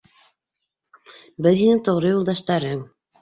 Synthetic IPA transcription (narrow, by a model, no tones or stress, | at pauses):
bɘðɦinɘŋt̪ŏʁɾɤjulˠd̪ɑʃt̪ɑɾɤŋ